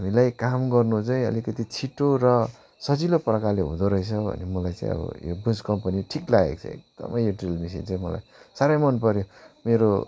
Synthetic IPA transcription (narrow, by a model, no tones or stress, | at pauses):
ɦamilajkamɡʌrnut͡saĩʌ̰likʌt̪it͡sʰiʈoɾʌ | sʌd͡ziloprʌkaleɦṵ̃d̪oɾʌjt͡sʰʌbʱʌ̰nemʌlajt͡sã̰ḭ̃ʌ̰bʌ̰jo̰bunskʌmpʌniʈʰiklaɡḛk̚t͡sʰʌ̰ḛk̚d̪̥ʌ̰mʔʌjjoʈrilmis̬ḭnt͡saĩmʌla̰jsaɾʌjmʌnp̬ʌɾjomeɾo